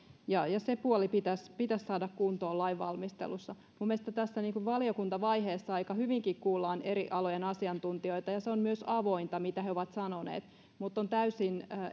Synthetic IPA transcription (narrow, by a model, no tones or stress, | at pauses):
jɑjɑsepuolipit̪æspit̪æssɑːdɑkkunt̪oːlɑiʋʋɑ̰lmist̪ḛlusːɑ | mumːieest̪ɑt̪æsːæniːŋkuʋʋɑliokunt̪ɑʋɑjɦeːsːɑɑikɑhyʋiŋkikkuːlːɑːneɾiʔɑlojenɑsiɑnt̪unt̪io̞it̪ɑjɑseommyøsɑʋo̞int̪ɑmit̪æheoʋɑt̪sɑnonḛːt̪ | mut̪ːont̪æysinː